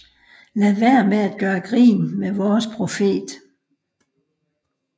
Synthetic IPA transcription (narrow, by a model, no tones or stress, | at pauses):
læʋæɐ̰meæd̥̚ɡ̥ɶːɐɡ̥ʁḭːnmeʋɒːspʰʁo̝fe̝̰ːd̥